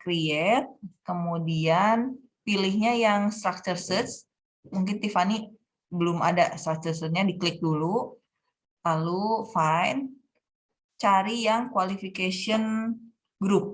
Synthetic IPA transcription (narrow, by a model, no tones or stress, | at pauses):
kɾiɛt̪̚kəmudian | pilɪhɲajaŋst̪ɾak̚tərsit̪s | muŋkɪnt̪ifani | bəlʊma̰dast̪ɾak̚t͡ʃərsət̪̚ɲadiklɪk̚dulu | lalufajn | t͡ʃaɾijaŋkwalifikasiɔn | ɡɾup̚